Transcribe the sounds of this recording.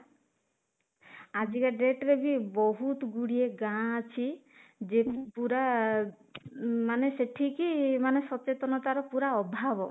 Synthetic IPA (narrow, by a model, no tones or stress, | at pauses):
ad͡ʒikaɖeʈɾebʱibɔɦut̪ɡuɽieɡãt͡ʃʰi | d͡ʒepuɾa | maneseʈʰikimanesɔt͡ʃet̪ɔnɔt̪aɾɔpuɾaɔbʱabɔ